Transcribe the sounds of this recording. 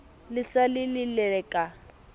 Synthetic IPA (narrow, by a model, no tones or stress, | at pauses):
lɪsalɪlɪlɛkʼa